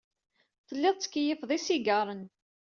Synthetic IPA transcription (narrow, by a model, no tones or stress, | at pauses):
θəlːɪðˤt͡sːə̥kːjəfðˤisiɡɑɾˤən